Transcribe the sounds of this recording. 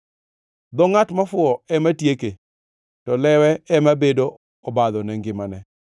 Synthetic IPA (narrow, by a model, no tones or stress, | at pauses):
d̪ɔŋatmafʊɔɛmatjeke | tɔlɛwɛɛmabedo | ɔbad̪ɔnɛŋɡɪmanɛ